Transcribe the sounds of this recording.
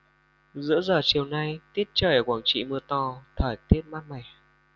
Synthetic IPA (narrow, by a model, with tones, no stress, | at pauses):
zɨ̰˧˥əzəː˨˩t͡ɕi˨˩əwna˧jt̪i˦˥ət̚t͡ɕəː˧˩jʔəː˨˩kwaː˧˩ŋt͡ɕḭ˧˨mɨ˧ət̪ɔ˧t̪ʰəː˧˩jt̪i˦˥ət̚maː˦˥t̚ma˨˩j